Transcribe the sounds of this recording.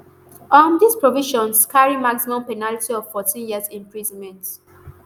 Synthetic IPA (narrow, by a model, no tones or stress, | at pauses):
ʔɔ̃ndispɹoviʃɔ̃nskaɹimaksinɔ̃pɛnalitiɔv̥fɔtĩnjiəzĩmpɹizɔ̃nmɛ̃nt